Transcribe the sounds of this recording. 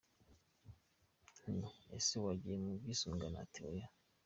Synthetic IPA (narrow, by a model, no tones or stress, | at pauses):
niḛsewaɟijemubɡisuŋɡana̰tʰeoja